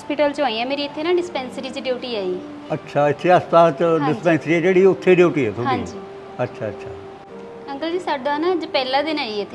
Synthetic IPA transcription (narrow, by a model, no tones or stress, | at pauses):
spɪʈəlt͡ʃõːĩãːmeːɾiːɪt̪ʰːeːnãːɖɪspɛ̃ːnsəɾiːt͡ʃəɖjoːʈiːaːiː | ətːʃʰaːɪt̪ʰːeaːspaːst͡ʃɖɪpɛ̃ːnsɾiːɛːd͡ʒeːɽiːʊt̪ʰːeːɖiːʈiːɦɛːt̪ʰʊaĩd͡ʒiː | ətːʃʰaːətːʃʰa̰ː | əŋkəld͡ʒiːsaːɖoanãd͡ʒpɛːlaːd̪ɪnaːiɪt̪ʰː